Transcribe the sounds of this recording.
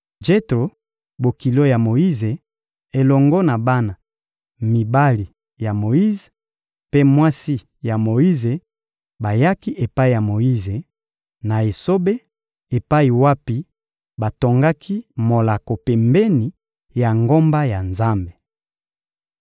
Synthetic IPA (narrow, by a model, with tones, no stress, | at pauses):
d͡ʒe˦tɾo˨ | bo˨ki˨lo˦ja˨mo˨i˦ze˨ | e˨lɔ˨ŋɡɔ˦na˨ba˦na˨ | mi˨ba˦li˨ | ja˨mo˨ji˦ze˨ | pe˦mwa˦si˦ | ja˨mo˨i˦ze˨ | ba˨ja˦ki˦ʔe˨pa˦i˨ja˨mo˨i˦ze˨ | na˨e˨so˦be˦ | e˨pa˦i˨wa˦pi˦ | ba˨to˨ŋɡa˦kʰi˦mo˨la˨ko˨pe˨mbe˦ni˨ | ja˨ŋɡo˦mba˦ja˨nza˦mbe˨